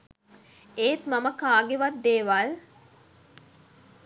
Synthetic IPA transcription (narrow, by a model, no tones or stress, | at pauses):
eːt̪maməkaːɡeʋat̪̚d̪eːʋal